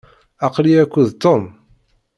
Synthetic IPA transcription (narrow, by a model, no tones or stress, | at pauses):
ɑqliækʷːuðt̪ːom